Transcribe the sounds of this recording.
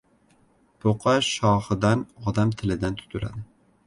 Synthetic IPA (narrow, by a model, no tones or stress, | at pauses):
pʰoqʰɑʃɑːχɨd̪ænɒd̪ɑmt̪ʰɪlɪd̪ænt̪ʰy̥t̪ʰylæ̰d̪ɪ